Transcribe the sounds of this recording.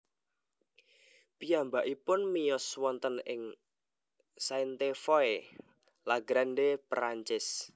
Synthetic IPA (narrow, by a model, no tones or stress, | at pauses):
piambaʔipʊnmijɔswɔnt̪ənɪŋ | saint̪efɔe | laɡɾanɖepɾaɲt͡ʃɪs